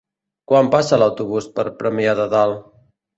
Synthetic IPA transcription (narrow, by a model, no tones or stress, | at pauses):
kwampasəlawt̪uβ̞uspəɾpɾəmiaðəðalˠ